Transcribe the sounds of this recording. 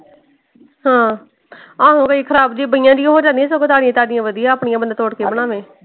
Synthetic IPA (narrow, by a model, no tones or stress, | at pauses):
hãː | aːɦõːkəiːkʰəɾaːbd͡ʒiːbəɪjãːd͡ʒ̪ɪjãːɦoːd͡ʒãːnd̪iɛːs̬oɡot̪aːɽɪjãːt̪aːɖɪjãːʋəd̪ijãːəpɳɪ̃jãːbənd̪at̪oːɽkeːbəɽ̃aːʋẽː